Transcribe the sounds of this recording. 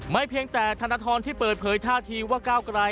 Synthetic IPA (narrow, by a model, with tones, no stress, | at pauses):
ma˥˩jpʰi˧əŋt̪ɛː˨˩t̪ʰa˧nːa˦˥t̪ʰɔː˧nt̪ʰiː˥˩pɤː˨˩t̪̚pʰɤː˩˦jt̪ʰaː˥˩t̪ʰiː˧waː˥˩kaː˥˩wkɾa˧j